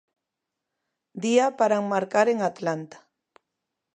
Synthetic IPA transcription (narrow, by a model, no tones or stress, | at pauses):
d̪iapaɾaŋmaɾkaɾeŋat̪lant̪ḁ